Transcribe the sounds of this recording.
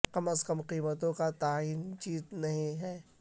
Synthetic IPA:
qɐməskəmqiːmət̪̬õkat̪aːiːnt͡ʃiːznɐɦĩɦɛː

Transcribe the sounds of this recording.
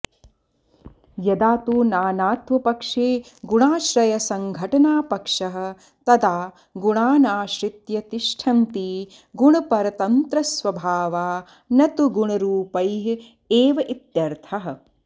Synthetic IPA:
jɐd̪aːt̪uːnaːnaːt̪ʋɐpɐkʂeːɡuɳaːʃɾɐjɐsɐŋɡʱɐʈɐnaːpɐkʂɐɦɐ̆ | t̪ɐd̪aː | ɡuɳaːnaːʃɾit̪jɐt̪iʃʈʰɐnt̪i | ɡuɳɐpɐɾɐt̪ɐnt̪ɾɐsʋɐbʱaːʋaː | nɐt̪uɡuɳɐɾuːpɐjɦ | eːʋɐʔit̪jɐɾt̪ʰɐɦɐ̆

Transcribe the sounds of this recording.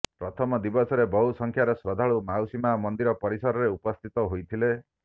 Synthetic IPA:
pɾɔt̪ʰɔmɔd̪ibɔsɔɾebɔɦusɔŋkʰjaɾɔsɾɔd̪ʱaɭumawsimamɔnd̪iɾɔpɔɾisɔɾɔɾeupɔst̪ʰit̪ɔɦojt̪ʰile

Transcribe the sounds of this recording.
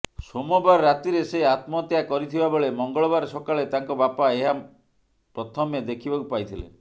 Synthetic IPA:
somɔbaɾɾat̪iɾeseat̪mɔt̪jakɔɾit̪ʰibaboɭemɔŋɡɔɭɔbaɾsɔkaɭet̪aŋkɔbapaeɦa | pɾɔt̪ʰɔmed̪ekʰibakupajt̪ʰilḛ

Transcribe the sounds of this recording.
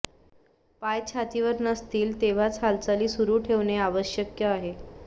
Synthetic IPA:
pajt͡ɕʰat̪iʋəɾnəst̪iːlt̪eʋ̤at͡sɦalt͡saliːsuɾuːʈʰeʋɳeaʋəɕjəkjəaɦe

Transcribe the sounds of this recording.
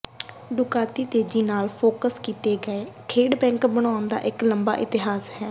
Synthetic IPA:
ɖʊkaːt̪iːt̪eːd͡ʒiːnaːlpʰoːkəskiːt̪eːɡəeːkʰeːɖbɛ̃ːŋkbəɽ̃aːʊnd̪a̰ːʔɪkləmba̰ːʔɪt̪ɪɦaːsɦɛː

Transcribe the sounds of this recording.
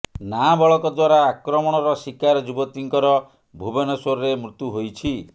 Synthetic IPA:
nabɔɭɔkɔd̪waɾaːkɾɔmɔɽ̃ɔɾɔsikaɾɔd͡ʒubɔt̪iŋkɔɾɔ | bʱubɔnɔsoɾɔɾemɾut̪juɦojt͡ʃʰi

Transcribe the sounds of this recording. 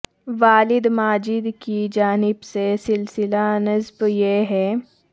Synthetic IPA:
ʋaːlɪd̪maːd͡ʒɪd̪kid͡ʒaːnɪbsesɪlsɪlanɐzbjeɦɛː

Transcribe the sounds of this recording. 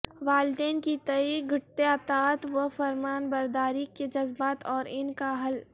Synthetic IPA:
ʋaːld̪ɛːnkit̪ɐiɡʱɐʈt̪eɐt̪aːt̪ʋəfɐɾmaːnbɐɾd̪aːɾiked͡ʒɐzbaːt̪ɔːɾɪnkaɦɐl

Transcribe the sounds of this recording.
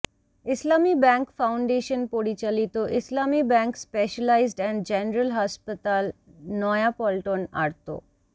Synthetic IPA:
islamibɛŋkfawɳɖeʃonpoɾit͡ɕalit̪oʔislamibɛŋkspeʃalajzɖɛɳɖd͡ʑɛnɾəlɦɔspat̪alnɔjapɔlʈona̰ɾt̪o̰

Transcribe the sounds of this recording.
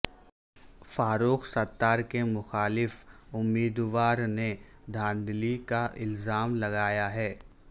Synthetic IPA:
faːɾuːxsɐt̪ːaːɾkemʊxaːlɪfʊmːiːd̪ʋaːɾned̪ʱãːnd̪likaʔɪlzaːmlɐɣaːjaɦɛː

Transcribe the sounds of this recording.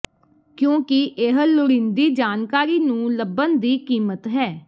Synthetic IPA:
kjõːkɪʔeɦlʊɽĩnd̪iːd͡ʒaːnkaːɾiːnũːləbənd̪iːkiːmət̪ɦɛː

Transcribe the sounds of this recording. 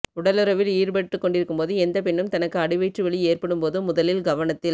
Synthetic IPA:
ʊɽɐlɯɾɐʋɪliːɾbɐʈːɯkːɔɳɖɪɾɯkːɯmpoːðɯɛnd̪ɐpɛɳːɯmt̪ɐnɐkːɯɐɽɪʋɐɪʈrɯʋɐɭieːrpɐɽɯmpoːðɯmʊðɐlɪlɡɐʋɐɳɐt̪ːɪl

